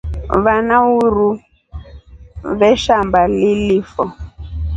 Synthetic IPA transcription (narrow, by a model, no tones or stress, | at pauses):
βanauɾu | βɛʃambalilifɔ